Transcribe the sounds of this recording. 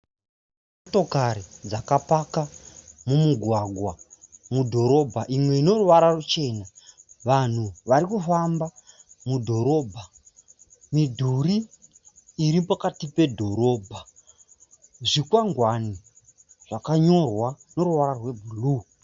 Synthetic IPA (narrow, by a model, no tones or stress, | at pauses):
mmoto̞kaɾid͡zakapakamumuɡʱwaɡʱwamudʱo̞ɾo̞bʱaʔimwe̞ino̞ruʋaɾarut͡ʃe̞naʋan̤uʋaɾikufamba | mudʱo̞ɾo̞ːbʱa | midʱuriː | ɾipakatipe̞dʱo̞ɾo̞ːbʱa | ʐikwaŋɡwani | ʐ̥akaɲo̞rwa | no̞ɾuʋararwe̞bʱulu